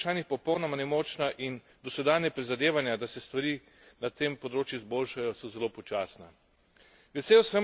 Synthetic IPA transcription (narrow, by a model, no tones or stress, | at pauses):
ʃaːnixpɔpɔwnɔmanɛmɔt͡ʃnaʔin | d̪ɔsʋɛd̪aːnjapɾizad̪eːʋanjad̪asɛst̪ʋaɾiː | nat̪eːmpɔd̪ɾoːt͡ʃjuizboːlʃajɔsɔzɛloːpɔt͡ʃaːsna | ʋɛseːwsə